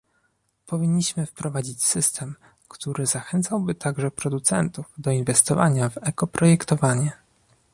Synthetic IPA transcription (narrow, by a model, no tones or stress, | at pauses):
pɔvʲiɲːiɕmɘfpɾɔvad͡ʑit͡ɕsɘst̪ʰɛm | kt̪uɾɘzaxɛnt̪sawbɘt̪aɡʐɛpɾɔd̪ut̪sɛnt̪uvd̪ɔinvɛst̪ɔva̰ɲavɛkɔpɾɔjɛkt̪ɔvaɲɛ